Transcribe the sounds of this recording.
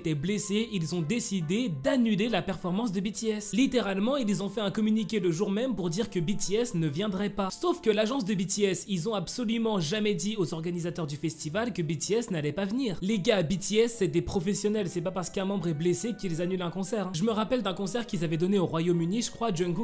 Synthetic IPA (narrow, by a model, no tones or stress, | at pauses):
t̪ɛbleseilzɔ̃d̪esid̪ed̪anylelapɛʁfɔʁmɑ̃s̬d̪əbit̪iɛslit̪eʁalmɑ̃ilzɔ̃fɛɛ̃kɔmynikʲeləʒuʁmɛmpuʁd̪iʁkəbit̪iɛsnəvjɛ̃d̪ʁɛpasofkəlaʒɑ̃s̬d̪əbit̪iɛsilzɔ̃apsɔlymɑ̃ʒamɛd̪iozɔʁɡanizat̪œʁd̪yfɛst̪ivalkəbit̪iɛsnalɛpavniːʁleɡabit̪iɛsɛd̪ɛpχɔfɛsjɔnɛlsɛpapaʁsə̥kɛ̃mɑ̃bʁɛblesekilzanylɛ̃kɔ̃sɛʁɛ̃ʒəməʁapɛld̪ɛ̃kɔ̃sɛʁkʲilzavɛd̪ɔneoʁwajomyniʒəkχwad͡ʒɔŋɡu